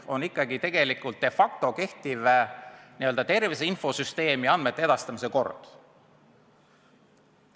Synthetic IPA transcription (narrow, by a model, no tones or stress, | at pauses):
o̞nikːˑɑɡit̪e̞ɡ̥e̞likːˑult̪̚ːe̞fɑk̚t̪o̞ke̞ht̪iveniø̞ld̪ɑt̪e̞rviseinfo̞syst̪e̞ːmiɑnd̪̥me̞t̪ːˑee̞d̪ɑst̪ɑmise̞ko̞̰rd̪̥